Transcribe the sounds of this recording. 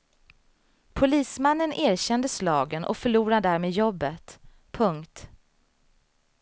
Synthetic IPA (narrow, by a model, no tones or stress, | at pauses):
pʰʊliːsmanːənʔeːɾɕɛnd̪əslɑːɡənʔɔ̰kfœɭuːɾad̪æːɾmeːd̪jɔbːət̪ | pʰɵŋkt̪